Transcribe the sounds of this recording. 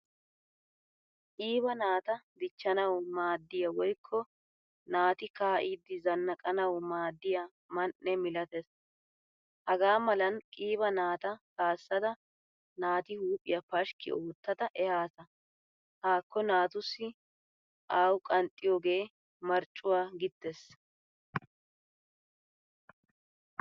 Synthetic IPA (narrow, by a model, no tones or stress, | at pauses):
kʼiːbɐnaːt̪ɐd̪ɪt͡ʃːɐnɐwmaːd̪ːɪjɐwɔjkʰːɔ | naːt̪ɪkaːʔid̪ːɪzɐnːɐkʼɐnɐwmaːd̪ːɪjɐ | mɐnʔːɛmɪlɐt̪ɛs | hɐɡaːmɐlɐnkʼiːbɐnaːt̪ɐsaːsːɐd̪ɐ | naːt̪ɪhuːpʼːɪjɐpɐʃkɪ̰ʔoːt̪ːɐd̪ɐʔɛhaːsɐ | haːkːɔnaːt̪ʊsːɪ | ʔaːwʊkʼɐnt̪ʼːɪjoːɡe̞ː | mɐɾt͡ʃʼːʊwaːɡɪt̪ːes